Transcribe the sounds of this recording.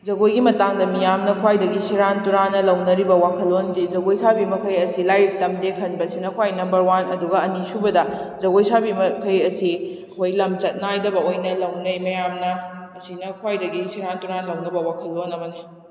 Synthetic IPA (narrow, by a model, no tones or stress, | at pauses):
d͡ʒɐɡojɡimɐtaŋdɐmijamnɐkʰwajdɐɡisiɾantuɾanɐlɐwnɐɾibɐwakʰɐlːondid͡ʒɐɡojsabimɐkʰɐjɐsilajɾik̚tɐmdekʰɐnbɐsinɐkʰwajnɐmbɐɾwanɐduɡɐɐnisubɐdɐd͡ʒɐɡojsabimɐkʰɐjɐsiɐkʰojlɐmt͡ʃɐt̚najdɐbɐojnɐlɐwnɐjmɐjamnɐːsinɐkʰwajdɐɡisiɾantuɾanɐlɐwnɐbɐwakʰɐlːonɐmɐnɐ